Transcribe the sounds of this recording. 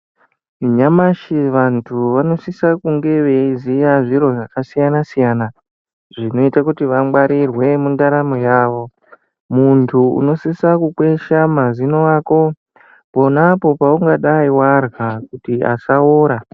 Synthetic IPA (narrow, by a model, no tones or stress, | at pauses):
iɲamaʃiʋantʰuʋano̞sisakuŋɡe̞ʋeizijaʐiɾo̞ʐakasijanasijaːna | ʐino̞itakutiʋamɓaɾirwe̞mundaɾamojaːʋo̞ | muntʰuṵno̞sisakukwe̞ʃamazinoaːko̞ | po̞napo̞pauŋɡaɗaiwarɣakutia̰saoːɾa